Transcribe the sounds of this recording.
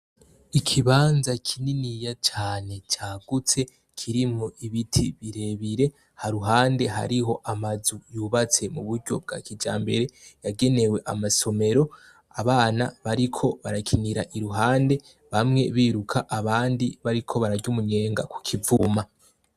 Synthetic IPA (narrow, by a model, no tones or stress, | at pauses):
ikʰiβaːnzakʰininijat͡ʃaːne̞t͡ʃaːɡ̥ut͡se̞ | kʰiɾimŋoʔiβitʰiβiɾe̞βiɾe̞ | haɾuɦaːnde̞ɦa̰ɾiɦo̞ʔamazujuːβat͡se̞muβuɾɟo̞̰b̚ɡa̰ːkid͡ʒa̰ːmbe̞̰ɾe̞jaɡe̞ne̞we̞ʔamaso̞me̞ɾo̞ | aβaːna̰βaɾikʰo̞βaɾakʰiniɾaʔiɾuɦaːnde̞ | βamŋe̞βiːɾukʰaʔaβaːndiβaɾikʰo̞βaɾaɟumuɲeːŋɡa̰ku̥kʰivuma